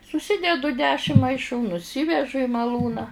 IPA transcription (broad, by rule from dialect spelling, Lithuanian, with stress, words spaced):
sʊˈsʲɪdʲɛdʊ ˈdʲæːʃʲɪm mɐɪˈʃuː nʊˈsʲɪʋʲɛʒʊ ɪ mɐˈlˠuːnɑː